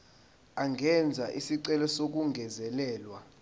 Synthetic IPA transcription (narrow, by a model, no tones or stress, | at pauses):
aŋʱɛnd͡zʱaʔisiǀɛlɔsok̬uŋʱɛzɛlɛːlwa